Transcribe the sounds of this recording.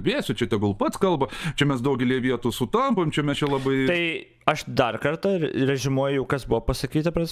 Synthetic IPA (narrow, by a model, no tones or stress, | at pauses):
bʲeːsʲʊt͡ʃʲɛt̪ʲɛɡʊlˠpɐt̪skɐlˠbɐt͡ʃʲɛmʲɛsd̪ɐʊɡʲɛlʲiɛʋʲiɛt̪uːsʊt̪ɐmpomt͡ʃʲɛmʲɛst͡ʃʲɛlˠɐbɐɪt̪ɐɪ | ɐʃd̪ɐrkɐrt̪ɐrɛʒʲɪmuɔjʊjɛʊkɐsbuʋopɐsɐkʲiːt̪ɐpɾɐː